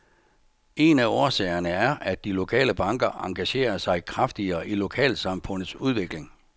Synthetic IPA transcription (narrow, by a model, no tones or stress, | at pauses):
e̝næɒːsɛ̰ːɐnəæɐʔæd̥ːilo̝kʰɛ̰ːləb̥ɑ̈ŋɡ̥ɐʔɑ̈ŋɡ̥æɕe̝̰ːɐsɑ̈ɪkʰʁɑfd̥iɐːʔilo̝kʰɛ̰ːlsɑ̈mfɔ̽n̰ð̩ˠsuð̞ˠʋe̝ɡ̥le̝ŋ